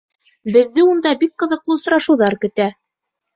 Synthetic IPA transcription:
bɘ̆ðːɘund̪ɑbik̚qɤ̆ðɤ̆qlˠɤŏs̆ɾɑʃɤ̆wðɑɾkɵ̆t̪æ

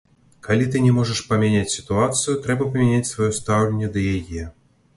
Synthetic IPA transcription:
kalʲit̪̬ɨnʲɛmɔʐəʂpɐmʲanʲat͡sʲsʲi̥t̪uat̪sɨjut̪ɾɛbɐpɐmʲanʲat͡sʲsvajɔst̪awlʲenʲːɛd̪ɐjajɛ

